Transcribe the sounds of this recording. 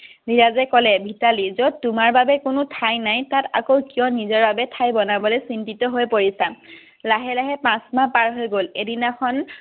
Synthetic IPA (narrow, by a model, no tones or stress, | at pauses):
biɹazɛkɔlɛbʱitalizod̚tʊmaɹbabɛkʊnʊtʰajnajtata̰kowkijɔnizɔɹbabɛtʰajbɔnabɔlojsintitɔɦojpoɹisã | laɦɛlaɦɛpãsmapaɹɦojɡoledinakʰɔn